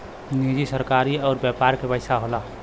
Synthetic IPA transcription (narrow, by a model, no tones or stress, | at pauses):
nid͡ʒisəɾkaɾiɔʊɾbjɛpaɾkepəɪsaɦola